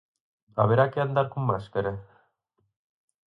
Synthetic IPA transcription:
aβeɾakeand̪aɾkumːaskeɾe

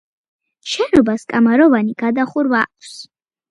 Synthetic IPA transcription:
ʃɛnɔbaskʼamaɾɔvaniɡ̥ad̪aχuɾvakʰs

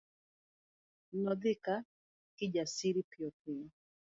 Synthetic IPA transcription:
nɔd̪ɪka | kɪd͡ʒasiɾipɪɔpɪɔ

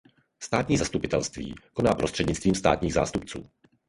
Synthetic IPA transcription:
st̪aːt̪ɲiːzast̪upɪt̪ɛlst̪vḭːko̞naːpɾʔost̪r̝̥ɛdɲɪt͡st̪viːmst̪a̰ːt̪ɲiːɣza̰ːst̪upt͡sṵː

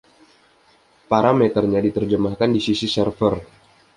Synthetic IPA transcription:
paɾamɛt̪ərɲadit̪ərd͡ʒəmahkandisisisərfər

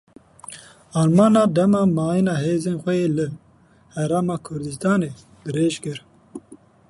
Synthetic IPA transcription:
ɑːlmɑːnɑːd̪ɛmɑːmɑːjinɑːɦeːzeːnxʷɛjeːlɨ | hɛɾaːmɑːkʰʊɾd̪ɨst̪ɑːneː | d̪ɨɾeːʒkɨɾ

